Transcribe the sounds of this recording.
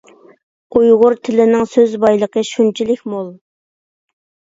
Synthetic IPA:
ujʁʊɾt̪ʰɪlɪnɪŋsøzbɑjlˠəqʰəʃunt͡ʃʰilɪkʲmolˠ

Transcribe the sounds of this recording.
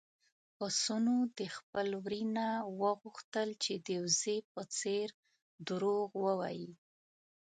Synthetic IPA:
pəsunod̪əxpəlwɾinawəɣuxt̪əlt͡ʃed̪ewzepət͡seɾ | d̪əɾoɣwəwa̰ji

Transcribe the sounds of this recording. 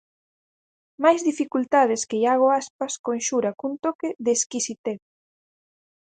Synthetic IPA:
majzðifikult̪að̞ɪskejaɣ̞oaspaskõnʃuɾakunt̪okeðeːskisit̪eθ

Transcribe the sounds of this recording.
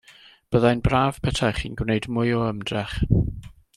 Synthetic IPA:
b̥əðajnbraːv̥pʰɛtʰaχḭnɡwnejdmʊɨɔəmdrɛχ

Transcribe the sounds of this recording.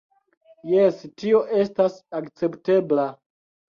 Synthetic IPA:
jestio̞ʔe̞stasakt͡se̞pte̞bla

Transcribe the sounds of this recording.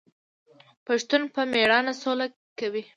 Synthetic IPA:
paʃt̪unpəmeɽɑnasola | kawi

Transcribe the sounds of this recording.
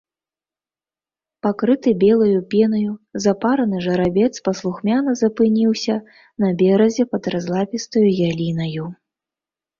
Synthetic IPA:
pakɾɨt̪ɨbʲɛlˠɐjupʲɛnɐjuzapaɾɐnɨʐɐɾabʲɛt̪spɐslˠuxmʲanɐzɐpɨnʲiwsʲɐ | nɐbʲɛɾɐzʲɛpɐd̪ɾazlˠapʲist̪ɐjujalʲinɐju

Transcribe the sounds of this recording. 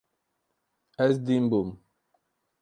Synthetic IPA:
ɛs̬dimbum

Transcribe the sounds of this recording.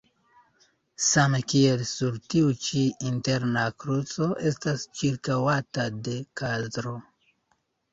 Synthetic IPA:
samekielsuɾtiut͡ʃiinteɾnakɾut͡so̞ʔe̞stast͡ʃiɾkawatade̞kazdɾo

